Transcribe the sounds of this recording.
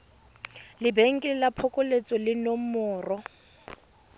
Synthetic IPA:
lɪbeŋ̩kʼɪlɪlapʰɔkʼʊlet͡sʼɔlɪnomʊːrɔ

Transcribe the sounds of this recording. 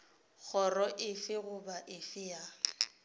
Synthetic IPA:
k͡xʰɔrɔʔɪfɪɣʊbaʔɪfɪja

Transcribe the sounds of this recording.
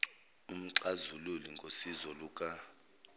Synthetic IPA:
um̩ǀazululiŋɡʱosizɔluːkʼa

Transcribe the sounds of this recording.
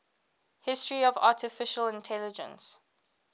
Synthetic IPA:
hɪstɹiɔva̰ˑtɪfɪʃəlɪ̃ntʰɛlɪd͡ʒə̰̃ns

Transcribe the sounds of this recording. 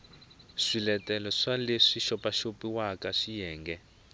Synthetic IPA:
ʂilɛtɛlɔʂaleʂiʃɔpaʃopiwakaʂijɛːŋɡɛ

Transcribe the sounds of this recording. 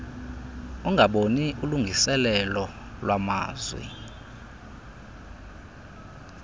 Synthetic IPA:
uŋɡʱaɓoniuluŋɡʱisɛlɛlɔ | lwama̰ːzwḭ

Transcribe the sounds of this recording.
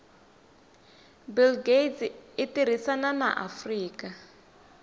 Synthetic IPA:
bilɡetɪtiɾ̤isanana̰ʔafriːka

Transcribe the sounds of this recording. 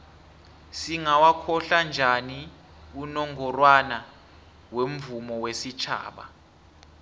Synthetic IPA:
siŋawakʰɔɬand͡ʒʱani | unɔŋʱɔrwana | wem̩vumɔwesit͡ʃʰa̰ːɓa̰

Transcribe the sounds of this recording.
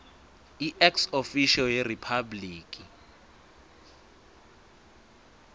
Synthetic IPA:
iʔɛksofiʃɔjeripʰabliːkʼi

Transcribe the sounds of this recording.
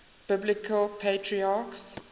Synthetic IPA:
b̥ɪblɪkʰəlpʰetʰɹiaks

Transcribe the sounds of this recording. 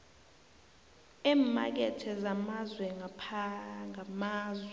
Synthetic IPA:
ɛːma̰k̬ɛtʰɛzamazwɛŋapʰaŋamaːzwɛ

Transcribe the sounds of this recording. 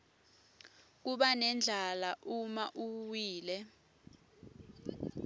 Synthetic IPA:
k̬uɓanɛnd͡ɮʱalaʔumaʔuwiːlɛ

